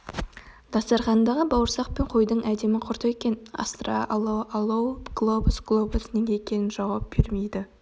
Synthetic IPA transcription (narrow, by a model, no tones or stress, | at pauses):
d̪ɑsɑɾχɑnd̪ɑʁəbɑwəɾsɑq̚pe̞ɴqʰo̞jd̪əɴæd̪e̞mɪqʰʊɾt̪əekʲe̞nɑ̰st̪ɾɑ̰ʔɑlˠɑʔɑlˠɑwɡ̥lˠo̞busɡ̥lˠo̞busneɡʲekʲʰe̞nɪnʒɑwɑp̚b̥eɾme̞jd̪ɪ